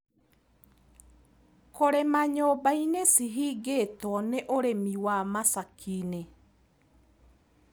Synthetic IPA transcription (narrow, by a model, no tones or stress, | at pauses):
koɾɛmaɲɔbajnesiɦiɡeːtɔɔnɛʔoɾemiwamasakʰiːne